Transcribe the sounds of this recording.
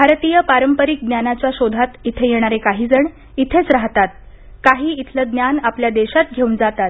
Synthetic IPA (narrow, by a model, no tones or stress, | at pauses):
bʱaɾt̪ijəpaɾəmpəɾik̚d̪njanat͡ɕjaɕod̪ʱat̪it̪ʰejeɽ̃aɾekaɦiːd͡zəɳ | it̪ʰet͡sɾaɦt̪at̪̚ | kaɦiːit̪ʰləd̪njanapljad̪eɕat̪ɡʱeund͡zat̪at̪